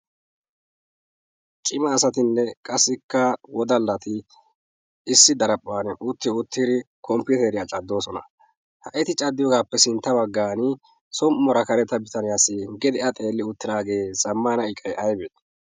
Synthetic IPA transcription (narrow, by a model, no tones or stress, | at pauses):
t͡ʃʼɪmɐːsɐt̪ɪnːɛkʼɐsːɪkːɐwɔd̪ɐlːɐt̪ɪ | ɪsːɪd̪ɐɾɐpʼːaːnʊt̪ːɪʊt̪ːiɾɪ | kʰɔmpːʊt̪ɛɾɪjat͡ʃʼɐd̪ːo̞ːsɔnɐ̰ | hɐʔɛt̪ɪt͡ʃʼɐd̪ːɪjɔɡaːpːɛsɪnt̪ːɐbɐɡːaːnɪ | sɔmːɔɾɐkɐɾɛt̪ːɐbɪt̪ɐnɪjasɪɡɛd̪ɛʔɐt̪ʼe̞ːlːɪʊt̪ːɪd̪aːɡe̞ːsɐmːanɐɪkʼːɐjʔɐjbɛt̪